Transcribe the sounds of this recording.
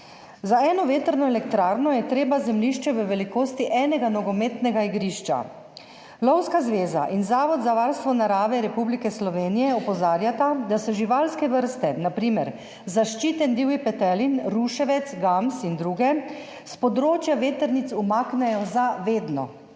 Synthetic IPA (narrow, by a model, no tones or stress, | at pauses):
zaɛːnɔʋeːt̪əɾnɔɛlɛkt̪ɾaːɾnɔjɛt̪ɾeːbazɛmliʃt͡ʃɛʋəʋɛlikoːst̪iʔɛːnɛɡanɔɡɔmeːt̪nɛɡaiɡɾiːʃt͡ʃa̰ | lɔwskazʋeːza̰ʔinzaːʋɔd̪zaʋaːɾst̪ʋɔnaɾaːʋɛɾɛpublikɛslɔʋeːnijɛɔpɔzaːɾjat̪ad̪asɔʒiʋalskɛʋəɾst̪ɛnapɾiːmɛɾ | zaʃt͡ʃit̪ɛnd̪iːwipɛt̪ɛlinɾuʃɛʋɛt̪sɡamsind̪ɾuɡɛ | spɔd̪ɾoːt͡ʃjaʋeːt̪əɾnit̪sumaːknɛjɔzaʋeːd̪nɔ̰